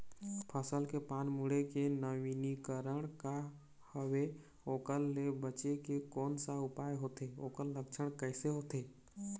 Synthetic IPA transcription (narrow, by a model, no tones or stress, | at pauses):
pʰəsəlkepaːnmuɽekenəʋinikəɾəɽ̃ka | həwe | oːkəlːebət͡ʃekekɔːnsaʊpaːjɦoːt̪eoːkəlːəkt͡ʃʰəɽ̃kəɪseɦoːt̪eː